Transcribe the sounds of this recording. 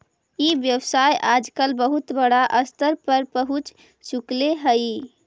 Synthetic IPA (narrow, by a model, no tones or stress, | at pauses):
iʋjəwsajʔad͡ʒkəlbəɦut̪bəɽaʔəst̪əɾpəɾpəɦut͡ʃ | sukleɦəj